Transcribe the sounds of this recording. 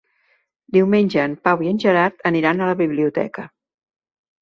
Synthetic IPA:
d̪iwmenʲʒəːmpawiənʲʒəɾaɾt̪ʰəniɾanələβiβliut̪ɛ̰kə

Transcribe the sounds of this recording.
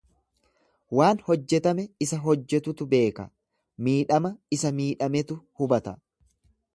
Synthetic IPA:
waːnhɔd͡ʒːɛt̪ɐmɛɪsɐɦɔd͡ʒːɛt̪ʊt̪ʊbe̞ːkɐ̰ | miːᶑɐmɐɪsɐmiːᶑɐmɛt̪ʊhʊbɐt̪ɐ

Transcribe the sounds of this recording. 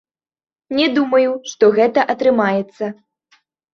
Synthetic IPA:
nʲɛd̪umɐjuʂt̪ɔɣɛt̪ɐʔɐt̪ɾɨmajɛt̪sːɐ

